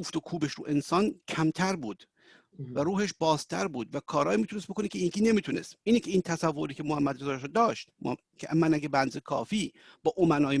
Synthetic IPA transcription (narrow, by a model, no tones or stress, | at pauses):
uft̪okʰuːbe̞ʃɾṵːʔe̞nsɒːncʰæmt̪ʰæɾbuːd̪̥ | væɾuːheʃbɒːzt̪ʰæɾbuːd̪vækʰɒːɾɒːjiːmiːt̪ʰunest̪bokonikʰʲeiːnkʰiːne̞miːt̪ʰunḛst̪iːnecʰe̞iːnt̪ʰæsævːo̞ɾiːcʰe̞mohæmːæd̪ɾezɒːɾʃɔd̪ɒːʃt̪ | kʰemænæɡebænzekʰɒ̰ːfiː | b̥ɒːʔomænɒːje